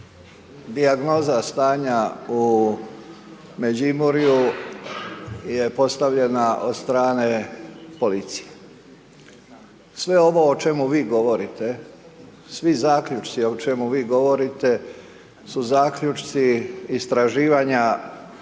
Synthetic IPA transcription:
d̪iaɡno̞ːzast̪aːɲau | me̞d͡ʑimuɾiju | je̞po̞st̪aʋʎe̞naʔo̞d̪st̪ɾaːne̞po̞lit̪si̥je̥ | sʋe̞o̞ʋo̞ot͡ʃe̞muʋiːɡo̞ʋo̞ɾit̪e̞ | sʋizaːkʎut͡ʃt̪sio̞t͡ʃe̞muʋiːɡo̞ʋo̞ɾit̪e̞ | suzaːkʎut͡ʃt̪siist̪ɾaʒiːʋaɲa

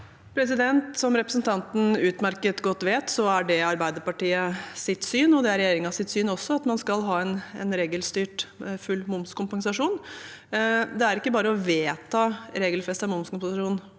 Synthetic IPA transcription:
pʰɾɛs̬ɪd̪ɛnt̪sɔmɾɛpɾəsn̩t̪ʰɑnt̪n̩ʉːt̪mæɾkət̪ɡɔt̪ːʋeːt̪sɔæɖɛɑɾbæɪd̪əɾpɑʈiːəsɪt̪syːnɔd̪ɛæɾɛjeːɾɪŋɑsɪt̪syːnɔsːɔɑt̪mɑnskɑlɦɑːɛnɛ̰nɾeːɡəlst̪yːʈfʉlːmʊmskʊmpɑŋsɑʂuːn | d̪ɛæɾɪkːəbɑːɾəɔʋeːt̪ʰɑːɾeːɡəlfɛst̪ɑmʊmskʊmpsɑʂuːn

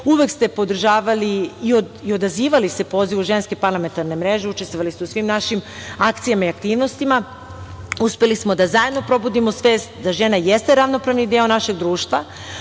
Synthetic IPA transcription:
uʋe̞kst̪e̞po̞d̪r̩ʒaːʋaliːo | io̞d̪aziːʋalise̞po̞ːziʋuʒe̞nske̞paɾlˠame̞nt̪aɾne̞mɾe̞ʒe̞ut͡ʃe̞st̪voalist̪eusʋimnaʃimakt̪sijamaiak̚t̪iːʋno̞st̪ima | uspelismo̞d̪azajed̪no̞pɾo̞bud̪imo̞sʋeːst̪d̪aʒe̞najest̪e̞ɾaʋno̞pɾaʋnid̪eo̞naʃe̞ɡd̪ɾuːʃt̪ʋa

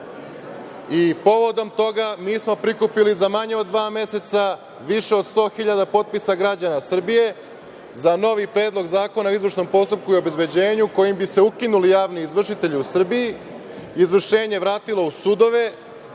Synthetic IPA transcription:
ipo̞ʋo̞d̪o̞mt̪o̞ɡamiːsmo̞pɾikupilizamaɲe̞od̪ːʋaːme̞set̪sa | ʋiʃe̞od̪st̪o̞ːxiʎad̪apo̞t̪̚pisaɡɾad͡ʑanasr̩bije̞ | zano̞ʋipɾe̞ːd̪lˠo̞ɡzaːko̞nauizʋr̩ʂʃno̞mpo̞st̪up̚kuio̞be̞zbe̞d͡ʑe̞ːɲuko̞jimbise̞ukinulijaːʋniːzʋr̩ʂit̪e̞ʎiusr̩bijiː | zʋr̩ʃe̞ːɲe̞ʋɾaːt̪ilˠo̞usud̪o̞ʋe̞

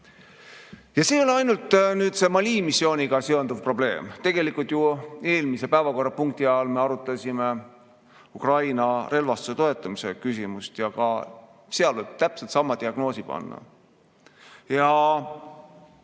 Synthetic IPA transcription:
jɑseːo̞lɑjnult̪ːˑnyːd̪̥se̞mɑlʲiːmisːjo̞ːnʲiɡ̥ɑse̞o̞nd̪̥uvpro̞b̥le̞̰ːmt̪e̞ɡ̥e̞likːˑult̪jue̞ːlmise̞pæevɑko̞rːɑpuŋk̚t̪iɑolme̞ɑɾut̪ːˑɑsʲime̞ | ukrɑjnɑɾe̞lvɑst̪use̞t̪o̞e̞t̪ːˑɑmise̞kysʲimust̪jɑkɑ | seɑlveb̥̚t̪æpselt̪sɑmːɑd̪̥iɑɡ̥no̞ːsipɑ̰nːɑ̰ | jɑ

